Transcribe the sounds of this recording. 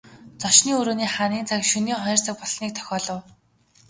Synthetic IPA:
t͡sɔʃniːɵɾoːniːχaːniːnt͡sʰakʃɵniːχɔjr̥t͡săk̚pɔɮsniːk̚t̪ʰœ̥xʲɔːɮɞ̆w

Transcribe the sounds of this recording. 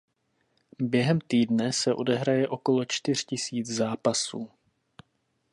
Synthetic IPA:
bjɛɦɛmt̪iːdnɛsɛʔo̞dɛɦɾajɛʔo̞ko̞lo̞t͡ʃt̪ɪr̝̥cɪsiːt͡szaːpasuː

